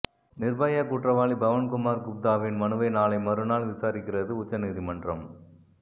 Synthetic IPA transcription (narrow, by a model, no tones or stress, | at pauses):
nɪrbɐjakuːʈrɐʋaːlibɐʋɐnkʊmaːɾkʊp̚d̪aːʋɪnmɐnɯʋɐɪnaːlɐɪmɐɾɯnaːlʋɪsaːɾɪkːɪrɐðɯʊt͡ʃːɐniðimɐɳdrɐm